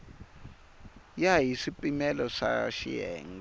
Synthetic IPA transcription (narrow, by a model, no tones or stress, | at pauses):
jajisipʼimɛlɔʂa̰ʃḭɛ̰ːŋ